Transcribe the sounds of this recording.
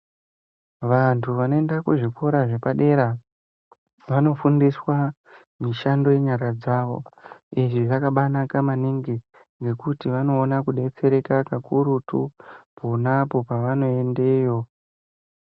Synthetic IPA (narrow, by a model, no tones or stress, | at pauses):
ʋantʰuʋano̞e̞ndakuʐikʰo̞ɾaʐe̞paɗe̞ɾa | ʋano̞fundiswa | miʃando̞je̞ɲaɾad͡zaʋo̞̰iʐiʐakaɓanakamaniŋɡi | ŋɡe̞kutiʋano̞ːnakuɗe̞t͡se̞ɾe̞kakakuɾutuponapo̞paʋano̞e̞nde̞jo̞